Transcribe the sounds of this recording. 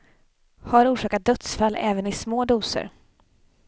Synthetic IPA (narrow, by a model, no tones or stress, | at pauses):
haɾuːʂɑːkat̪̚d̪œt̪sfalːɛːvənɪsmoːd̪uːsə̰ɾ